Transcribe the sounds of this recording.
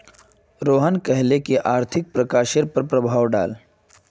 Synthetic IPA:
ɾoːɦənkɛɦlekiʔaːɾt̪ʰɪk̚pɾɐkaːʃeɾpɐɾpɾɐbʱaːwɖa̰ːl

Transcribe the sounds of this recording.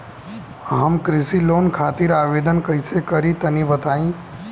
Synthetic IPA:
ɦɐmkɾɪsiloːnkʰaːt̪ɪɾaːʋeːd̪ənkɐisekɐɾĩt̪ɐnibɐt̪aːĩ

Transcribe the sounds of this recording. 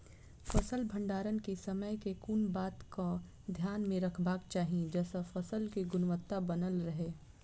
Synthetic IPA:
fɐsəlbʱɐ̃ɳɖaːɾənkesɐməjkekuːnbaːt̪ko | d̪ʱjaːnmẽɾɐkʰbaːkt͡ʃaːɦied͡ʒɛːsafɐsəlkiɡʊnwʋət̪ːabɐnəlɾɐɦeː

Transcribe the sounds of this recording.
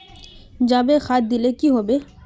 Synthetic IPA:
d͡ʒaːbexaːt̪̚d̪ɪlekiɦoːbeː

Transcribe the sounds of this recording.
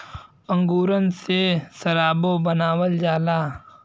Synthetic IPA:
ə̃ŋɡuːɾənsesəɾaːbõbənaːwəld͡ʒaːlaː

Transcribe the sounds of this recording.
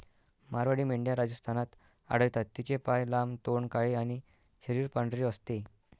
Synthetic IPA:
maɾʋaɽiːmeɳɖjaɾad͡zəst̪ʰanat̪ | a̰ɽəjt̪at̪ːit͡ɕepajlamt̪oɳkaɭiañi | ɕəɾiːɾpaɳɖɾiəst̪e

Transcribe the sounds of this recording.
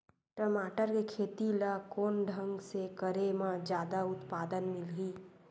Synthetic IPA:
ʈɾəmaːʈəɾkekʰeːt̪ilakoːnɖʱə̃ŋɡsekəɾemãd͡ʒjaːd̪aʊt̪paːd̪ənmɪlɡiː

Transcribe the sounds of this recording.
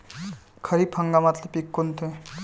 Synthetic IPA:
kʰɐɾiːpʰəŋɡamat̪ləpikːʊnt̪ʰe

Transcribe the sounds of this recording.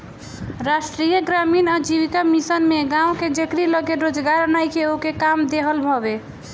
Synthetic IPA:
ɾasʈɾijəɡɾaminad͡ʒiʋikamisənmeɡãũked͡ʒekɾiləɡeɾod͡ʒɡaɾənajkeokekamd̪eɦəlbʱɔbe

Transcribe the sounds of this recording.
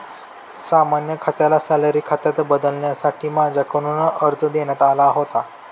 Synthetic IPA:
samanjəkʰat̪jalasɛlaɾiːkʰat̪jat̪bəd̪əlɳjasaʈʰiːmad͡ʑʱjakʰəɽ̃unəəɾt͡səd̪eɳjat̪alaɦot̪a

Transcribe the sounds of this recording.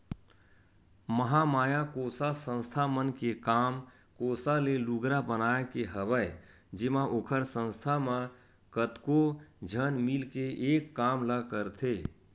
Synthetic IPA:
məɦamaːjakosasə̃nst̪ʰamənkekaːm | kosaleluɡɾabənaekeɦəbəj | d͡ʒɪmaʔoːkʰəɾsə̃nst̪ʰamã | kət̪kod͡ʒʱənmilkeʔeːkːaːmlakəɾt̪ʰe

